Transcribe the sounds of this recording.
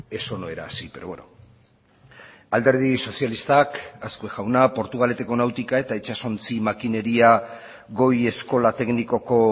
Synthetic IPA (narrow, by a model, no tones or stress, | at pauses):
e̞so̞no̞e̞ɾa̰ːsipeɾoβweno | ald̪e̞ɾð̞iso̞sialist̪akaskueʝawnapo̞ɾt̪uɣ̞ale̞t̪e̞ko̞nawt̪ikae̞t̪aet͡ʃaso̞nt͡simakine̞ɾia | ɣo̞je̞sko̞lat̪e̞kniko̞ko̞